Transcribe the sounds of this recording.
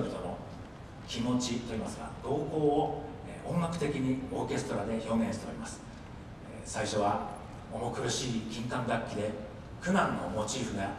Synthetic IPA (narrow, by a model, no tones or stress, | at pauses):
bʲit̪o̞no̞ | kʲimo̞t͡ɕit̪o̞iːmasɨɡa̰d̪̥o̞ːko̞ːo | õ̞ŋɡakɯ̟̥t̪e̞kʲiɲ̟io̞ːke̞sɨ̥t̪o̞ɾad̪e̞ço̞ːɡẽ̞ɕit̪e̞o̞ɾʲimasɨ̥ | saiɕo̞βa | omokɯ̟ɾɯ̟ɕiːɡʲkʲĩŋkãŋɡakʲːid̪e̞ | kɯ̟nãnːo̞̰mo̞t͡ɕiɸɯ̟ɡa